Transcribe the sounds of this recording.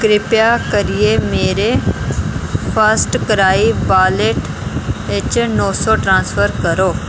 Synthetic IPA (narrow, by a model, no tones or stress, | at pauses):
kɾɪpjaːkəɾijemeːɾeː | pʰəɾsʈkəɾaːiːbaːleʈ | ɪt͡ʃnɔːsɔːʈɾãːnsfʰəɾkəɾoː